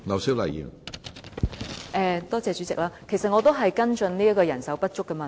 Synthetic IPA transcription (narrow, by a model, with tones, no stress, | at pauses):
ŋɐ˨wsi˥wlɐ˨jy̰˨˩n | ʔɛː˧t̪ɔː˥t͡sɛː˨˧t͡ʃyː˨˥t͡sɪ̰˨k̚laː˥kʰe˨˩jsɐ˨t̚ŋɔː˨˧t̪o˥wɦɐ˨jkɐ˥nt͡ʃɵ˧nliː˥ɐ˥kɔː˧jɐ˨˩nsɐ˨˥wpɐ˥t̚t͡ʃʊ˥kːɐ˥mɐː˨